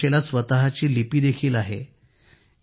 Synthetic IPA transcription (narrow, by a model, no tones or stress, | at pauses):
elasʋət̪aɦat͡ɕiːlipiːd̪ekʰiːlaɦḛ